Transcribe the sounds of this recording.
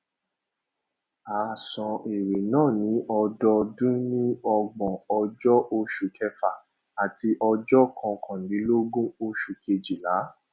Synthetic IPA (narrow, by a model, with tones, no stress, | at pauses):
aː˨sɔ̃˧e˨ɾe˨nãː˦˨nĩ˨˦ʔɔ˧dɔ˧dũ˦nĩ˦ɔ˧ɡ͡bɔ̃˨ɔ˧d͡ʒɔ˦ʔo˧ʃu˨kʰɛ˧fa˨ | a˨ti˧ʔɔ˧d͡ʒɔ˦kʰɔ̃˧kʰɔ̃˨dĩ˨˦lo˦ɡũ˦o˧ʃu˨ke˧d͡ʒi˨la˨˦